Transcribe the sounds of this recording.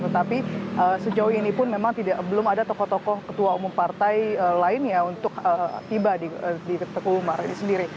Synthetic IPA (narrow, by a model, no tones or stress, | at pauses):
t̪ət̪apiʔəsəd͡ʒaʊinipʊnmemaŋt̪idaʔbəlʊmadat̪ɔkɔht̪ɔkɔhkət̪uaumʊmpart̪ajəlaɪnjaunt̪ʊkət̪ibadidikt̪əkuumaɾinisəndiɾi